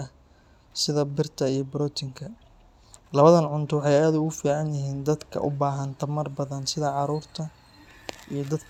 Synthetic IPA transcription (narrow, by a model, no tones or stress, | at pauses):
ɐ | sɪðɐbɪrt̪ʰɐijɞbɾɔːt̪ʰɪŋkʰɐ | lɐβɐðɐnʕʊnt̪ʰɔwħɑjaːðʊɣʊfiːʕɑnjɪɦiːnd̪ɐd̪kʰɐ̰ʔʊ̰baːɦɐnt̪ʰɐmɐrbɐðɐnsɪðɐʕɑɾuːrt̪ʰɐ | ijɞd̪ɐd̪